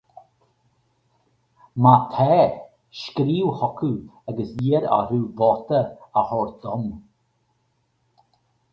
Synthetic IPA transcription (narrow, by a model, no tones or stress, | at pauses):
mat̪ʰɛːɾ | ʃkɾiːwhɔkʰuaɡəsjiɾa̰ɾuːvɔt̪əəhɔɾd̪ɔm